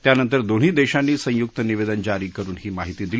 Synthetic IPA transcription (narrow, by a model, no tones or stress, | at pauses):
t̪janənt̪əɾd̪oɽ̤iːd̪eɕanːiːsə̃jukt̪əniʋed̪ənd͡ʑaɾiːkəɾuːnɦiːmaɦit̪iːd̪il